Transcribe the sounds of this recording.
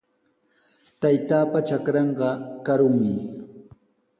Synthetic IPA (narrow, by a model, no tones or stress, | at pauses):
t̪ajt̪aːpat͡ʃakɾɑɴɢɑkaɾʊŋmɪ